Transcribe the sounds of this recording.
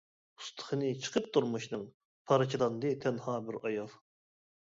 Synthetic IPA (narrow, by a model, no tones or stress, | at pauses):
u̥st̪ʰə̥χənɨt͡ʃʰə̥qʰəp̚t̪ʰuɾmuʃnɨŋ | pʰɑɾɨt͡ʃʰilˠɑnd̪ɨt̪ʰɛnhɑːbɪɾɑjɑv